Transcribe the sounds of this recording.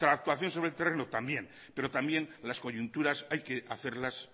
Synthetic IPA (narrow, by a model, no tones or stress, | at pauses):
t̪ɾak̚t̪waθjo̞nso̞βɾe̞lt̪erenot̪ambjẽ̞n | pe̞ɾo̞t̪ambje̞nlasko̞ʎunt̪uɾasajke̞aθeɾlas